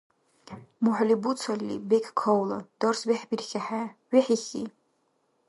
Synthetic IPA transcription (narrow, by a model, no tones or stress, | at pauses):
muħʷlibut͡sʰalʲːḭbekʲʰkʰowlad̥orsbeħbirxʲaħaɥiħiχʲḭ